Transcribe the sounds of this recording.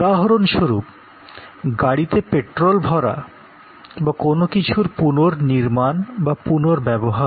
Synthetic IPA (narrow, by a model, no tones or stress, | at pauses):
aɦɾonʃoɾup | ɡaɽit̪epeʈɾolbʱɔɾa̰ | bakonokit͡ɕʰuɾpunoɾniɾmanbapunoɾbɛboɦaɾ